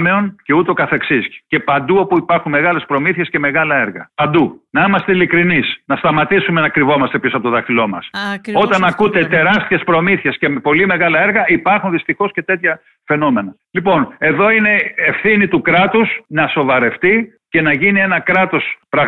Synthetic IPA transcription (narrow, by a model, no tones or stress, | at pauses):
me̞o̞nce̞ut̪o̞kɐθe̞ksisce̞pɐnd̪uo̞puipɐɾxunme̞ɣɐle̞spɾo̞miθie̞sce̞me̞ɣɐlɐe̞ɾɣɐ̰pɐnd̪unɐimɐst̪eilikɾinisnɐst̪ɐmɐt̪isume̞nɐkɾivo̞mɐst̪episoɐpot̪ðɐxθilo̞mɐ̰so̞t̪ɐnɐkut̪e̞t̪e̞ɾɐst̪çe̞spɾo̞miθie̞sce̞po̞lime̞ɣɐlɐe̞ɾɣɐipɐɾxunðist̪ixo̞sce̞t̪e̞t̪çɐ | fe̞no̞me̞nɐ | lipo̞ne̞ðo̞ine̞efθinit̪ukɾɐt̪usnɐso̞vɐɾe̞ft̪i | ce̞nɐʝinie̞nɐkɾɐt̪o̞spɾɐɣ